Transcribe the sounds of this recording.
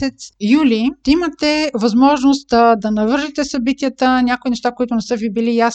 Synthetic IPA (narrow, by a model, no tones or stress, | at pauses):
ɛt̪sjuliimət̪ɛvɐzmɔʒnost̪̚d̪ɐnɐvɤɾʒit̪ɛsɐbit̪ijət̪ənʲakoinɛʃt̪akoit̪ʊnɛsəvibilijas